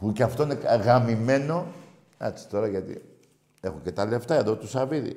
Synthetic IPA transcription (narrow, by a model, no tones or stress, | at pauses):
puceɐft̪o̞ineɣɐmime̞no̞ | ɐsi̥t̪o̞ɾɐʝɐt̪ḭ | e̞xocet̪ɐle̞ft̪ɐe̞ðo̞t̪usɐviðḭ